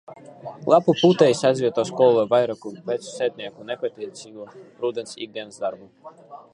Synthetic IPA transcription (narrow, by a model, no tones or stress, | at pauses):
lˠapupuːt̪ɛisazvʲiɛt̪ɔskɔːlˠɔɛvajɾɔkupɛt̪su̥sɛt̪ʲnʲɛakunɛpɛt̪ɛsʲiːvuɾud̪ɛnsḭɡ̚d̪ʲɛnzd̪aɾbu